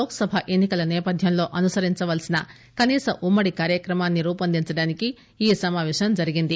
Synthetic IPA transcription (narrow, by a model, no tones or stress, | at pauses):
loːkɐsɐbʱaʔenːikɐlɐneːpɐd̪ʱjɐnlo̞ːʔɐnusɐɾiɲt͡ʃɐʋɐlsinɐ | kɐniːsɐʔumːɐɽikaːɾjɐkɾɐmaːnːiɾuːpɐnd̪iɲt͡ʃɐɽaːniki | iːsɐmaːʋeːʂɐmd͡ʒɐɾiɡind̪i